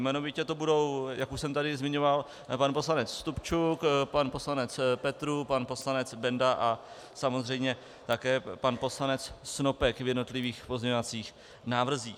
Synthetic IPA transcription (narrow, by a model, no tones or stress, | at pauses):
mɛnovɪcɛt̪obudo̞wjakuʃsɛmt̪adɪzmɪɲo̞val | panpo̞slanɛt͡sst̪upt͡ʃukpanpo̞slanɛt͡spɛt̪ɾupanpo̞slanɛt͡sbɛndaʔa | samozr̝ɛjmɲɛ | t̪akɛːpanpo̞slanɛt͡ssno̞pɛkvjɛdno̞t̪lɪviːxpo̞zɲɛovat͡siːx | naːvr̩ziːx